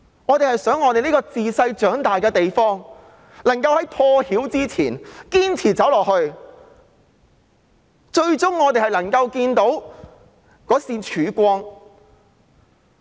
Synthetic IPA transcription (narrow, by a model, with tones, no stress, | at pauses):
ŋɔː˨˧t̪e˨jhɐ˨jsœː˨˥ŋːɔː˨˧t̪e˨jnliː˥kɔː˧t͡siː˨sɐ˧jt͡ʃœː˨˥ŋt̪aː˨jkɛː˧t̪e˨jfɔː˥ŋ | lɐ˨˩ŋkɐ˧whɐ˨˥jpʰɔː˧hiː˨˥wt͡siː˥t͡sʰiː˨˩nkiː˥nt͡sʰiː˨˩t͡sɐ˨˥wlɔː˨˩k̚hɵ˧ɥ | t͡ʃɵ˧ɥt͡ʃʊ˥ŋːɔː˨˧t̪e˨jhɐ˨jlɐ˨˩ŋkɐ˧wkiː˧nt̪o˨˥w | kɔː˨˥siː˧nt͡ʃʰyː˨˧˥kʷɔː˥ŋ